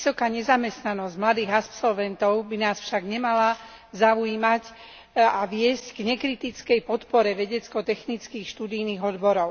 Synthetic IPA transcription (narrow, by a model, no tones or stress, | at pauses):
sɔkaːɲɛzamɛst̪nanɔzɟmlad̪iːɣapsɔlʋɛnt̪ɔʊbinaːsfʃaɡɲɛmala | zaujiːmac | aʋɪɛzcɡɲɛkɾit̪it͡skɛjpɔt̪pɔɾɛʋɛɟɛt͡skɔt̪ɛxnit͡skiːxʃt̪uːd̪ijniːɣɔd̪bɔɾɔʊ